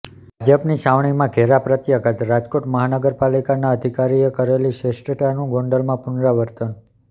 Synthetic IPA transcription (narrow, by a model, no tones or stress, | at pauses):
bʱad͡ʒəpniʃaʋɳ̃imãɡʱeɾapɾət̪jəɡət̪ɾad͡ʒkoʈməɦanəɡəɾpalikanaəd̪ʱikaɾiekəɾeliʃesʈəʈjanũɡõɳɖəlmãpʊnɾaʋəɾt̪ən